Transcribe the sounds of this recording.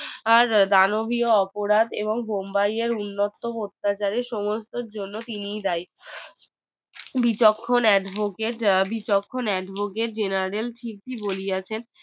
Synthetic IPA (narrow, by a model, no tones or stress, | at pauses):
aɾd̪anobioɔpoɾad̪eboŋbombajeɾunːot̪ːopoɾt̪ːat͡ɕaɾeɾʃɔmost̪oɾd͡ʑonːot̪inijd̪aj | bit͡ɕokʰːonɛɖbʱokeʈbit͡ɕokʰːonɛɖbʱokeʈ̚d͡ʑenaɾelʈʰikpibolijat͡ɕʰen